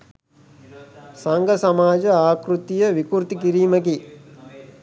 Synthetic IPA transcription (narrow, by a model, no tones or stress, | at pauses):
saŋɡəsamaːd͡ʒəaːkɾut̪ijəʋikuɾt̪ikiɾiːmək̬i